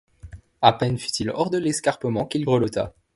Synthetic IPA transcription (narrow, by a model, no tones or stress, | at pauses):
apɛnfy̥t̪ʰilɔʁd̪əlɛskaʁpəmɑ̃kʲilɡʁəlɔt̪a̰